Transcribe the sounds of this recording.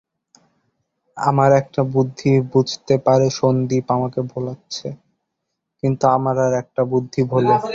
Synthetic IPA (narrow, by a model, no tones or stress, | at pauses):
a̰maɾɛk̚ʈabud̪ʱːibud͡ʑʱt̪epaɾeʃond̪ipamakebʱolatːɕʰe | kint̪uamaɾaɾɛk̚ʈabud̪ʱːibʱole